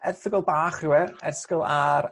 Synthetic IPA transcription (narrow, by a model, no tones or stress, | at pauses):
ɛrθɪɡɔlˠbaːχɪwɛrɛskɪlˠaɾ